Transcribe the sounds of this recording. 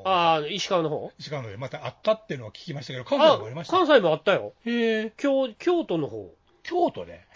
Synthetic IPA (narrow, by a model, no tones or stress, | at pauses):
aiɕi̥kaβnoɦo̰ːiɕi̥kanoomat̪aat̪ːat̪ːejɯ̟noakʲi̥kʲimaɕi̥t̪ake̞d̪okãamoaɾimaɕi̥kãɰ̃s̬aimo̞at̪ːajo̰ekʲoːkʲo̞ːt̪o̞no̞ho̰ː | kʲʰoːt̪o̰d̪ḛ